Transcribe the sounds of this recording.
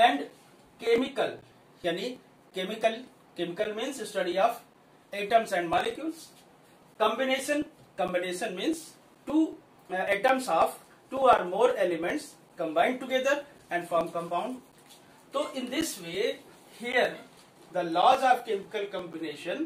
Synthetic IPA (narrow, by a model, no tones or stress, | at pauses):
ɛ̃ɳɖ | kemɪkəl | jani | kemɪkəl | kemɪkəlmĩːnzsʈɐɖiɔːʋ | eʈə̃msɛ̃ɳɖmɔlɪkjuːls | kə̃mbineːʃə̃n | kə̃mbɪneːʃə̃nmĩːnz | ʈuː | ɛʈə̃msɔːʋ | ʈuːaːɾmoːɾelɪmɛ̃ɳʈs | kə̃mbãɪ̃ɳɖ̚ʈuɡed̪əɾ | ɛ̃ɳɖfɔɾmkə̃mpãʊ̃ɳɖ | t̪oːʔɪ̃nd̪ɪsʋeː | hiəɾ | d̪əlɔːzɔːʋkemɪkəlkə̃mbɪneːʃə̃n